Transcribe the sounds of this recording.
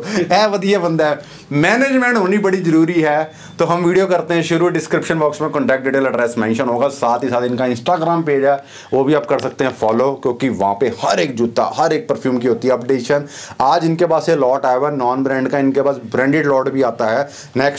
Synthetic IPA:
ɛːʋəd̪iabə̃nd̪aɦɛ | mɛːneːd͡ʒmɛ̃ːɳʈɦoːnibɐɽizəɾuːɾiɦɛː | t̪oːɦɐmʋiːɖijokɐɾt̪eɦɛ̃ʃʊɾuɖɪskɾɪpʃənbɔːksmẽkə̃ːɳʈɛːk̚ʈ̚ɖiːʈeːləɖɾɛːsmɛ̃ːnʃənɦoːɡasaːt̪ɦisaːt̪ɪnkaɪ̃nsʈaːɡɾaːmpeːd͡ʒɛː | ʋoːbʱiaːp̚kɐɾsɐk̚t̪ẽɦɛ̃ːfʰɔːloːkjõːkiʋɐɦãːpehɐɾeːk̚d͡ʒuːt̪a̰ɦɐɾeːk̚pəɾpʰjuːmkiɦoːt̪iɦɛɐpɖeːʃənaːd͡ʒɪnkepaːselɔːʈaːjɡanɔːnbɾɛ̃ːɳɖkaɪnkepaːsbɾɛ̃ːɳɖɪɖlɔːʈbʱiaːt̪aɦɛː | nɛːks

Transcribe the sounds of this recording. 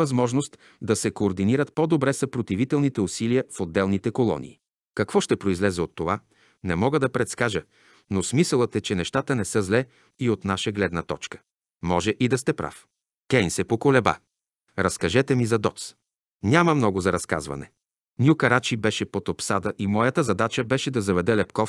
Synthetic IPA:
ɐzmɔʒnost̪ | d̪ɐsɛkoːɾd̪iniɾət̪̚pod̪obɾɛsɐpɾot̪ivit̪ɛlˠnit̪ɛusiliəfod̪ːɛlˠnit̪ɛkolˠɔ̰nḭː | kɐkvɔʃt̪ɛpɾoizlɛzɛot̪ːova | nɛmɔɡəd̪ɐpɾɛt̪skaʒə | nosmisəlˠət̪ɛt͡ʃɛnɛʃt̪at̪ənɛsɤzlɛ | iot̪naʃəɡlɛd̪nət̪ɔt͡ʃkə̥ | mɔʒɛʔid̪ɐst̪ɛpɾa̰f | kɛjnsɛpokolɛba̰ | ɾɐskɐʒɛt̪ɛmizɐd̪ɔt̪s | nʲaməmnɔɡʊzɐɾɐska̰zvɐ̰nɛ̰ | nʲjukɐɾat͡ʃibɛʃɛpot̪opsad̪əʔimɔjɐt̪əzɐd̪at͡ʃəbɛʃɛd̪ɐzɐvɛd̪ɛlɛpkɔf

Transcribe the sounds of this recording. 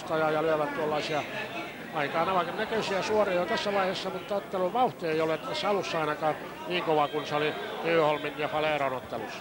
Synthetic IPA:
st̪ɑjɑjɑlyæʋæt̪t̪uolːɑisiɑ | ɑikɑːnɑʋɑkɑnnækøisiæsuorojot̪æsːæʋɑihesːɑmut̪ːɑot̪ːeluʋʋɑuht̪ieiolet̪æsːæɑlusːɑɑinɑkɑː | niːŋkoʋɑkunseoliyːholminjɑfɑleːronot̪ːelṵsːɑ̥

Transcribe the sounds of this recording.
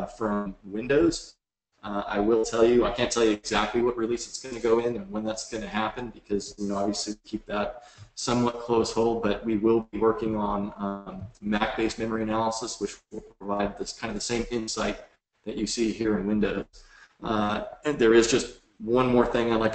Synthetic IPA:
fɹʌ̃mwɪ̃ndoʊz̥ | a̰ɪwɪlˠtʰɛlˠjɨaɪkʰæ̃ntʰɛlˠjɨɨɡzæk̚tˡliwʌʔ̚ɹilisɨ̥tsɡ̥ʌnɨɡoʊɪ̃nɨ̃nwə̃nðætsɡ̥ʌnɨhæpɨ̃nbɨkʰʌzɨɑbviɨslikʰip̚ðət̚sʌ̃mwʌt̚kʰl̥oʊshoʊlˠd̚bʌt̚wiwɪlˠbiwɜ˞kɪ̃ŋə̃n | mæk̚b̥eɪsmɛ̃mə˞iɨnælˠəsəswɨt͡ʃɪlˠpʰɹəvaɪd̪̚ðɨkʰãɪ̃ndʌvðəsẽɪ̃mɪ̃nsaɪt̪̚ | ðɨt͡ʃɨsiɦiɹɨ̃nwɪ̃ndoʊz̥ | ðə˞ɨzd͡ʒʌst̚ | wʌ̃nmɔɹθɪ̃ŋãɪmlaɪk

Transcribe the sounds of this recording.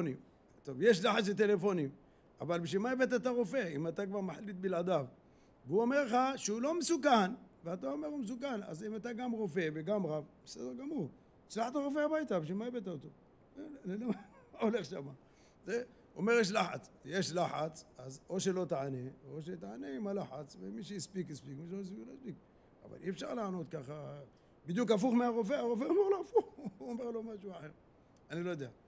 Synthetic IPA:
nim | t̪ovjeʃ̬laħat͡slet̪̬e̞lefo̞nim | avalbeʃimajbet̪̬at̪̬aʁo̞fe̞imat̪akvaʁmaħlit̪̚bilad̪av | veuomeʁleχaʃeulo̞mesukanveat̪aomeʁumes̬ukana̰zimat̪aɡamʁo̞fe̞veɡamʁavbesed̪eʁɡamuʁ | t͡ʃlaħt̪aʁo̞f̬eabajt̪abeʃimajbet̪aot̪o | eleloma | aoleχʃama | ze | ʔomeʁjeʃ̬laħa̰t͡sjeʃlaħat͡sazoʃelot̪aʕaneoʃet̪aʕaneimalaħat͡svemiʃ̬ejispikjispikmiʃelojispilojspik̚ | a̰va̰lʔḭɛfʃaʁlaʕno̞t̪̚kaχa | bid̪juk̬af̬uχmeaʁof̬eaʁof̬eomeʁloafuxuomeʁlomaʃuaħeʁ | anilojod̪ea

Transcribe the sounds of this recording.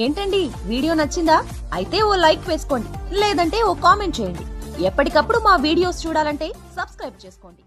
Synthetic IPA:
e̞ːɳʈɐɳɖi | ʋiːɽijo̞ːnɐt͡ʃːind̪aː | ɐ̰jit̪e̞ːoːlɐjkʋe̞ːsu̥ko̞ːɳɖileːd̪ɐɳʈe̞ːoːkaːme̞ɳʈt͡ʃeːjɐɳɖiɛpːɐʈikɐpːuɽumaːʋiːɽijo̞ːst͡ʃuːɽaːlɐɳʈe̞ːsɐbskɾɐjb̚t͡ʃe̞ːsu̥ko̞ːɳɖi

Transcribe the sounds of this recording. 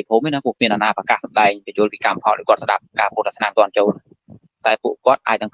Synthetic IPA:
ipʰhoːminaːkpuəkʰmiənʔanaːprakaːhsɑmɗaɛŋpijuəlpiːkampʰɑ̰lʔa̰jkŏət̪̚sɗa̰p̚kaːpuːlt̪asʰnaːŋt̪ŏənt͡ɕoːl | t̪aɛpuəʔkŏət̪̚ʔa̰ːc̚nɨŋk

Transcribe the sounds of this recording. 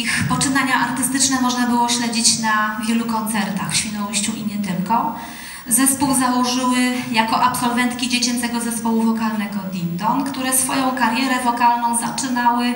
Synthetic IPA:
ixpɔt͡ʂɘnaɲaʔaɾt̪ɘst̪ɘt͡ʂnɛmɔʐnabɘwɔɕlɛd͡ʑit͡ɕnavʲjɛlukɔnt̪sɛɾt̪axfɕfʲɛnɔwuɕt͡ɕuʔimʲjɛt̪ɘmkɔ̃w̃ | zɛspuwzawɔʐɘwɘjakɔʔapsɔlvɛnt̪kʲid͡ʑet͡ɕɛnt̪sɛɡɔzɛspɔwuvɔkalnɛɡɔd̪ʲind̪ɔnkt̪uɾɛsfɔjɔ̃w̃kaɾjɛɾɛvɔkalnɔ̃w̃zat͡ʂɘnawɘ

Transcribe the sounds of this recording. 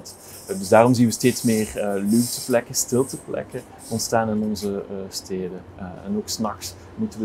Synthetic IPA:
t | dɵzdaːrɔmzinʋəsteːtsmɪːrlytə̥plɛkəstɪlˠtəplɛ̰kə | ɔntstaːnɪnɔnzəstʰeːdə | ɛ̰noːksnɑxs | mutənʋə

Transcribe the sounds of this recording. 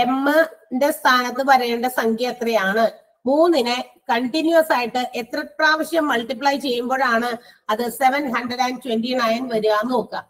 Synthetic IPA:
e̞mːɨnde̞st̪ʰaːnɐt̪ːɨpɐɾɐjeːɳɖesɐŋkʰjeːt̪rɐjaːɳɨ | muːnːinɨkɐɳʈinjuwɐsaːjiʈːɨʔet̪rɐpraːʋɐɕjɐmːɐlʈːiplajt͡ɕe̞jːumbo̞ːɻaːɳɨɐðɨse̞ʋɐnɦɐɳɖrɐɖaːntwenɖinajnʋɐɾuʋaːnːo̞ːkːam

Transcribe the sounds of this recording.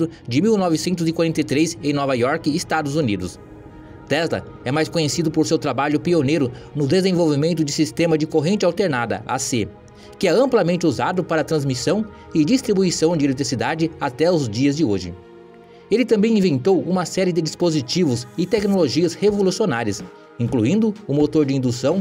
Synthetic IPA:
ɾʊd͡ʒɪmiwnɔvɪsẽnt̪ʊzɪkwaɾẽnt̪ɐjt̪ɾezẽj̃nɔvajɔɾkɪːst̪ad̪ʊzunid̪ʊs | t̪ɛzlɐ̰ | ɛmajskõɲesid̪ʊpoɾsewt̪ɾabaʎʊpionejɾʊnʊd̪ezẽvowvimẽnt̪ʊd͡ʒɪsist̪ẽmɐd͡ʒɪkoɦẽnt͡ʃɪawt̪eɾnad̪ɐ̰ʔa̰se | kɪɛɐ̃mplɐmẽnt͡ʃɪuzad̪ʊpaɾɐt̪ɾɐ̃zmisɐ̃w̃ | ɪd͡ʒist̪ɾibuisɐ̃w̃d͡ʒɪelet̪ɾisid̪ad͡ʒɪat̪ɛʊzd͡ʒiɐzd͡ʒɪoʒɪ̰ | elɪt̪ɐ̃mbẽj̃ĩvẽnt̪owũmɐsɛɾɪd̪ɪd͡ʒispozit͡ʃivʊzɪt̪ɛknoloʒiɐshevolusionaɾjɐs | ĩŋkluĩnd̪ʊʊmot̪oɾd͡ʒɪĩnd̪usɐ̃w̃

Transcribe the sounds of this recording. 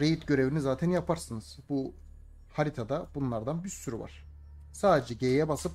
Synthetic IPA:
ɾejit̪ɟø̞ɾe̞vinizaːt̪ʰɛnjapʰaɾsɯnɯz̥bu | haɾit̪ʰad̪abunlˠaɾd̪anbiɾsyɾy̰va̰ɾ̥ | saːd̪ed͡ʒɛɟejjɛbasɯp̚

